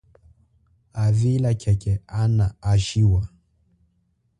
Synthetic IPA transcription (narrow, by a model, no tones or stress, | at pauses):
avilakʰɛkɛanaːʃiwa